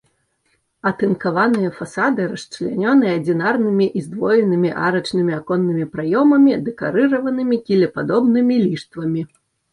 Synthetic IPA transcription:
ɐt̪ɨnkavanɨjɐfasad̪ɨɾɐʂt͡ʂlʲanʲɔnɨjɛɐd͡zʲinarnɨmʲiʔizd̪vɔjɛnɨmʲiʔa̰ɾɐt͡ʂnɨmʲiakɔnːɨmʲipɾajɔmɐmʲid̪ɛka̰ɾɨɾɐvɐnɨmʲikʲilʲɛpad̪ɔbnɨmʲilʲiʂt̪vɐmʲi

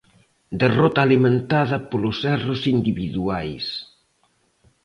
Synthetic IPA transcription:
d̪erɔt̪aːlimẽnt̪aðɐpolʊsɛrʊsind̪iβiðuajs

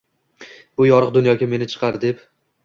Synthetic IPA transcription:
b̥ʊjɒɾɨq̚d̪ʊnjɒɡʲame̞nɪt͡ʃʰɨ̥qʰɑɾd̪e̞p

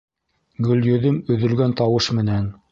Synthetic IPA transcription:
ɡɵ̆ljɵ̆ðɵmɵ̆ðɵ̆lɡænt̪ɑwɤʃmɘ̆næn

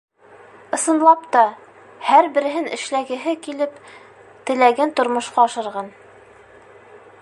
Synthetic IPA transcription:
ɤ̆sɤ̆nlˠɑpt̪ɑ | hæɾbɘ̆ɾɘ̆ɦɘnɘ̆ʃlæɡɘ̆ɦɘkilɘp | t̪ɘ̆læɡænt̪ŏɾmŏʃqɑːʃɤ̆ɾʁɑn

